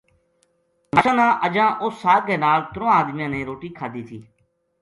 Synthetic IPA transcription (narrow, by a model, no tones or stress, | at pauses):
nəʃãːnãːʔəd͡ʒãːʔʊsːaːɡeːnaːlt̪ʊɾõaːd̪mɪjãːnẽːɾoːʈiːkʰaːd̪iːt̪ʰiː